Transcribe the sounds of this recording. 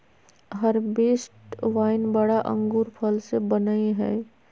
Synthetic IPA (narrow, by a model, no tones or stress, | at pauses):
ɦəɾbeːsʈʋaːɪnbəɽaʔə̰̃ŋɡuːɾpʰəlsebənaiɦɛː